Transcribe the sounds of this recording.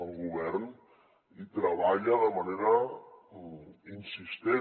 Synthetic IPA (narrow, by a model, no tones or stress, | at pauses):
əlɡuβɛrn | it̪ɾəβaʎəðəməneɾə | insist̪e